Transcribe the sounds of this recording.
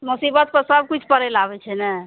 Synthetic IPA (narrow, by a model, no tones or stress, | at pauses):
musibət̪̚pəɾsəb̚kit͡ʃʰpəɾɛlabɛt͡ʃʰɛnɛ